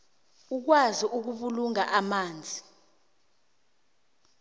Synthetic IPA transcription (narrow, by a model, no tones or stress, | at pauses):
uk̬waziʔuk̬uɓuluŋaʔamaːnd͡zʱi